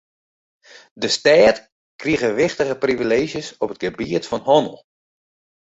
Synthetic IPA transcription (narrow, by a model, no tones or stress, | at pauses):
dəstɛːt | kriɣəʋɪχtəɣəprivileːʒjəsɔpət̚ɡəbiətfɔnhɔnəl̩ˠ